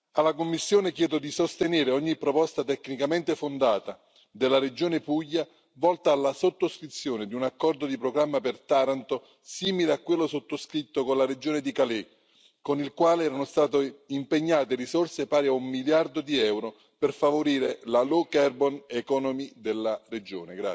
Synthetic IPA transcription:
alːakomːisːjoːnek̟jɛːd̪od̪isost̪eneːɾeɔɲːipɾopɔst̪at̪ɛkːnikament̪efond̪aːt̪a | d̪ɪlːaɾed͡ʒoːnepujːa | vɔlt̪aːlːasot̪ːoskɾit̪sːjoːnɪd̪iunakːɔrd̪od̪ipɾoɡɾamːapert̪aːɾant̪o | siːmileakːwelːosot̪ːoskɾit̪ːokonlared͡ʒoːned̪ikale | konilkwaːleɛːɾanost̪aːt̪̬oimpeɲːaːt̪erisorsepaːɾiaumːiljard̪od̪iɛwɾo | perfavoɾiːɾelalokɛrbɔnekɔnomid̪elːared͡ʒo̰ːneɡɾa̰

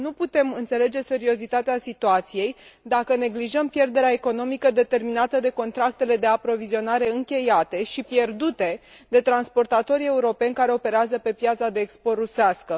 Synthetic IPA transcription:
nuput̪e̞mɨnt̪se̞le̞d͡ʒe̞se̞ɾio̞zit̪at̪easit̪uat̪sije̞jd̪akəne̞ɡliʒəmpje̞rd̪e̞ɾeae̞ko̞no̞mikəd̪e̞t̪e̞rminat̪əd̪e̞ko̞nt̪ɾak̚t̪e̞le̞d̪e̞apɾo̞vizio̞naɾe̞ɨŋkʲe̞jat̪e̞ʃipje̞rd̪ut̪e̞ | d̪e̞t̪ɾanspo̞rt̪at̪o̞ɾie̞uɾo̞pe̞nʲkaɾe̞o̞pe̞ɾeazəpe̞pjat̪sad̪eːkspo̞ruseaskə

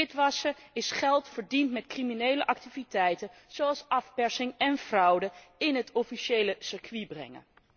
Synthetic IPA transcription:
ɪtʋɑsəɪsχɛlˠtfəɹdintmɛtkriminejləʔɑk̚tivitɛjtəz̥oɑlˠsɑfpɛɹsɪŋɛnv̥rʌwdəɪnɦətɔfiʃejləsɪɹkʋibrɛ̰ŋə̰n

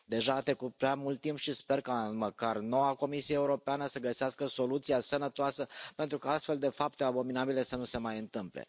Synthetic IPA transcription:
d̪e̞ʒaːt̪ekupɾeamult̪ːimpʃispe̞rkaməkarno̞wako̞misieeuɾo̞peanəsəɡəseaskəso̞lut̪siasənət̪oasəpe̞nt̪ɾukaast̪fe̞ld̪e̞fap̚t̪eabo̞minabile̞sənuse̞majɨnt̪ɨmplḛ

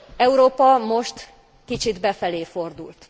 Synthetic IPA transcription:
ɛuɾoːpɒmo̞ʃt̪ | kit͡ʃid̪bɛfɛleːfo̞rd̪ult̪

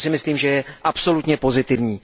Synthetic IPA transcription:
sɪmɪsliːmʒɛjɛʔapso̞lut̪ɲɛpo̞zɪt̪ɪvɲiː

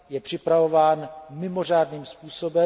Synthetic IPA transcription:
jɛpr̝̥ɪpɾavo̞vaːnmɪmo̞r̝aːdniːmspuːso̞bɛ

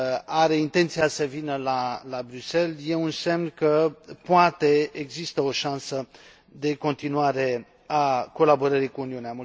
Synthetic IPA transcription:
aɾe̞int̪e̞nt̪siasəvinəlalabɾyse̞lje̞wɨnse̞mnkəpwat̪e̞eɡzist̪əo̞ʃansə | d̪e̞ko̞nt̪inwaɾe̞ | ako̞labo̞ɾəɾikuuniuneamu

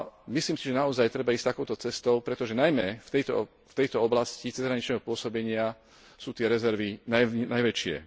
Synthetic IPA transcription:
misliːmsiʒɛnaɔzajt̪ɾɛbaiːst̪akɔʊt̪ɔt͡sɛst̪ɔʊpɾɛt̪ɔʒɛnajmɛft̪ɛjt̪ɔ̰ | ft̪ɛjt̪ɔɔblascit͡sɛzɦɾaɲit͡ʃnɛɦɔpʊɔsɔbɛɲɪa | suːt̪ɪɛɾɛzɛɾʋinanajʋɛt͡ʃɪɛ̰

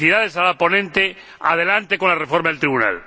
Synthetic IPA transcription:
iðaðesaðapo̞nẽnt̪e | a̰ð̞e̞lant̪eko̞nlarefoɾmaðelt̪ɾiβuna̰l

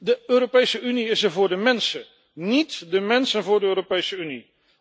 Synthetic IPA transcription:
dəøːropejsəyniɪsəɹvʊːɹdəmɛnsə | nitdəmɛnsənvʊːɹdəøːropejsəyni

